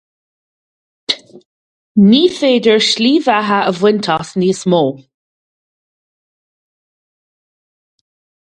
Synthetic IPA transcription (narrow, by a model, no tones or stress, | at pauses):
niːfeːdəɹʃliːvaɦəəvwɪntʰɔsniːsmoː